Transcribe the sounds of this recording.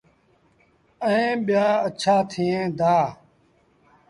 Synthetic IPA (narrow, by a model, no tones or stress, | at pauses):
əẽːɓjaːət͡ʃʰaːt̪ʰiːẽːd̪aː